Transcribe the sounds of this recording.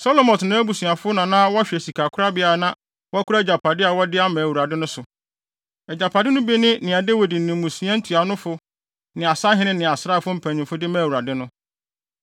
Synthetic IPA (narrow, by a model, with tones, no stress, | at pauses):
sɔ˦lɔ˦mɔ̃˨tnã˦æ˦bu˨sũ˨a˨fʊ˦nã˨nã˦wɔ˦a˦ɕᶣɛ˨si˨kʰa˨kʰʊ˦a˦bɪ˦a˨nã˦ | wɔ˦kʰʊ˦ɾa˦d͡ʑa˨pʰa˨dɪ˦a˨wɔ˦dɪ˦a˦mãː˨wu˨ɾa˨dɪ˦nʊ̃˦sʊ˨ | ɛ˨d͡ʑa˨pʰa˨dɪ˦nʊ̃˦be˦nɪ̃˦nɪ̃˨a˨de˦wi˨di˨nɪ̃˨mũ˨sĩ˦ã˦n̩˦tʰu˨a˨˦nʊ̃˦fʊ˦ | nɪ̃˨a˨sa˦ɦɪ̃˦nɪ̃˦nɪ̃˨a˨sɾa˦˨fʊ˦m̩˦pʰæ̃˨ɲɪ̃˨mfʊ˦dɪ˦mæ̃˨wu˨ɾa˨dɪ˦nʊ̃˦